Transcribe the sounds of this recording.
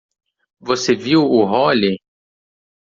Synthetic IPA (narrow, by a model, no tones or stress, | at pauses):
voseviwʊɦɔli